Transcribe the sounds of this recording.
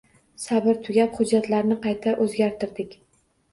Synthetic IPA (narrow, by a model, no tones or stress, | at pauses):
sabɪɾt̪ʰʊɡʲapχʊd͡ʒːat̪laɾnɪqʰɑjt̪ʰaʔɵzɡʲaɾt̪ʰɪɾd̪ɪkʲ